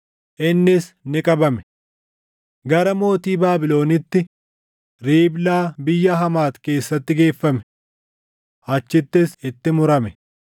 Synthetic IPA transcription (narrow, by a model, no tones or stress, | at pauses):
ʔɪnːɪsnɪkʼɐbɐmɛ̥ | ɡɐɾɐmo̞ːt̪iːbaːbɪlo̞ːnɪt̪ːɪ | ɾiːblaːbɪjːɐɦɐmaːt̪ke̞ːsːɐt̪ːɪɡe̞ːfːɐmɛ̥ | hɐt͡ʃːɪt̪ːɪsɪt̪ːɪmʊɾɐmɛ